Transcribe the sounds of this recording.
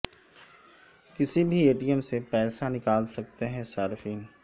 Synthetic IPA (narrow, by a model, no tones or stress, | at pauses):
kɪsibʱieːʈijəmsepɛːsanɪkaːlsɐk̚t̪eɦɛ̃saːɾɪfiːn